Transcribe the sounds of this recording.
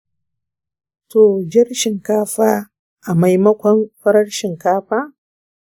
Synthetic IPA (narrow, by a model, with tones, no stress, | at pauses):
to˨d͡ʒɐ˦rʃɪ˨ŋkaː˦ɸaː˦ | ʔa˨ma˦jmɐ˦kʷɐ˦nɸɐ˦ɾɐ˦ɽʃɪ˨ŋkaː˦ɸaː˦